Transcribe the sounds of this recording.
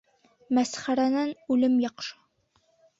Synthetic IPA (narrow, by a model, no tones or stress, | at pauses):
mæsχæɾænænʉlɘmjɒqʃɤ̥